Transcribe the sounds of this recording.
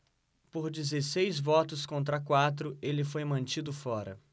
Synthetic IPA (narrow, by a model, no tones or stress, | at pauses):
poɾd͡ʒizesejzvɔt̪ʊskõnt̪̬ɾɐkwat̪ɾʊelɪfojmɐ̃nt͡ʃid̪ʊfɔɾɐ̰